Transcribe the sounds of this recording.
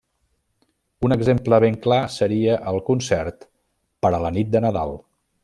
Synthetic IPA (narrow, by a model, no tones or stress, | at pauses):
unəɡzempləβ̞eŋklasəɾiəʔəlˠkunsɛɾt̪ | pəɾələnit̪̚d̪ənəða̰lˠ